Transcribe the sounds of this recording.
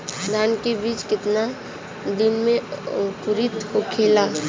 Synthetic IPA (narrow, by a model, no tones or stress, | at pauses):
d̪ʱankebiːt͡ʃkɪt̪na | d̪ɪnmẽkʊɾɪt̪hokʰela